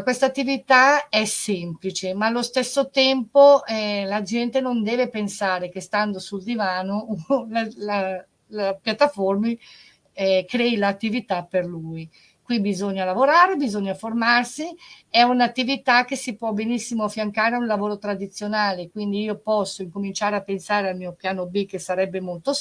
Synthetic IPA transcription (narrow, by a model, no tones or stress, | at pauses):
kwest̪aːt̪ːivit̪aɛsɛmplit͡ʃemaːlːost̪esːot̪ɛmpoɛlad͡ʒɛnt̪enond̪ɛːvepensaːɾek̟est̪and̪osuld̪ivaːnolala | lapjat̪ːaformi | ɛkɾɛːilat̪ːivit̪apːerlui | kwibizoɲːalavoɾaːɾebizoɲːaformarsiɛunat̪ːivit̪ak̟ːesipwɔbenisːimoafjaŋkaːɾeunlavoːɾot̪ɾad̪it̪sːjonaːlekwind̪iiːopɔsːoiŋkomint͡ʃaːɾeapːensaːɾealmiːopjaːnobikːesaɾɛbːemolt̪o